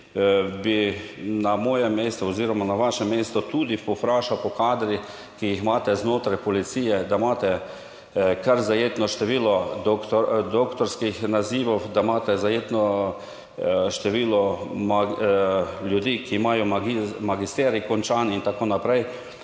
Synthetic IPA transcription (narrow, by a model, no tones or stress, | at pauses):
binamɔːjɛmːeːst̪ɔɔziːɾɔmanaʋaʃɛmːeːst̪ɔt̪uːd̪ipɔfɾaːʃawpɔkaːd̪ɾi | kijixmaːt̪ɛznoːt̪ɾajpɔlit̪siːjɛd̪amaːt̪ɛ | kaɾzajeːt̪nɔʃt̪ɛʋiːlɔ | d̪okt̪ɔɾskixnaziːʋɔwd̪amaːt̪ɛzajeːt̪nɔ | ʃt̪ɛʋiːlɔma | lʲjud̪iːkiːmaːjɔmaɡmaɡist̪ɛːɾikɔnt͡ʃaːnint̪akoːnapɾɛj